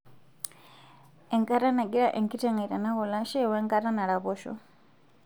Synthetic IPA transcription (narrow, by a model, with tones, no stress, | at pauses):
ɛ˨ŋka˦ɾa˦na˨ɡi˦ɺa˦ʔɛ˨ŋki˦tɛ˦ŋa˨i˨ta˨na˦kɔ˨la˦ʃɛ˦˨wɛ˦ŋka˦ɾa˦na˨ɺa˨pɔ˦ʃɔ̰˦